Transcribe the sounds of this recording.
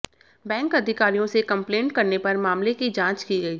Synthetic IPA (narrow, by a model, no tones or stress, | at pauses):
bɛ̃ːŋkɐd̪ʱɪkaːɾijõsekɐ̃mpleːɳʈkɐɾnepɐɾmaːmlekid͡ʒãːt͡ʃkiɡɐiː